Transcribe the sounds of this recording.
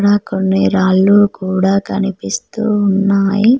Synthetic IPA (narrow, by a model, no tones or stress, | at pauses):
ɽaːkonːiɾaːlːuːkuːɽaːkɐnipist̪uːunːaːji